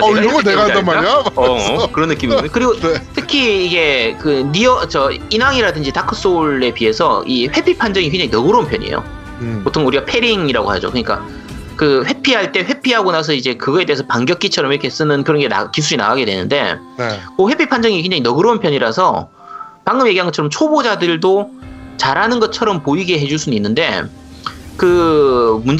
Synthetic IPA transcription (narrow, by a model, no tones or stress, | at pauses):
ɾʌneɡaaamaɾaʌkɯɾʌnːɯk͈imikɯɾiɡotʰɯkʰiːɡe̞kɯniʌt͡ɕʌinɦaŋiɾadɯnd͡ʑitakʰɯs͈oɭːe̞piɦe̞sʰʌiɸwe̞pʰipʰand͡ʑʌŋik̬ʰwe̞ŋɲd͡ʑaŋinʌɡɯɾounpʰjʌɲḭjo̰ | potʰoŋuɾiɡapʰe̞ɾiŋiɾaɡo̰had͡ʑo̰kɯɲik͈a̰ | kɯɸwe̞pʰiɦaɭt͈e̞ɸwe̞pʰiɦaɡonas̬ʰʌid͡ʑe̞kɯɡʌe̞deɦesʰʌpaŋɡjʌk͈it͡ɕʰʌɾʌmiɾʌkʰe̞s͈ɯnɯnkɯɾʌnɡe̞na̰kisʰuɾina̰aɡe̞dwe̞nɯnde̞̰ | koɸwe̞pʰipʰand͡ʑʌŋike̞ŋd͡ʑaŋinʌɡɯɾounpʰjʌɲiɾasʰʌ | paŋɡɯmje̞ɡiɦanɡʌtt͡ɕʰʌɾʌmt͡ɕʰobod͡ʑadɯɭdot͡ɕaɾɦanɯnɡʌt̚t͡ɕʰʌɾʌmpoiɡeɦe̞d͡ʑuɭsʰunuinːɯnde̞̰ | kɯ | mun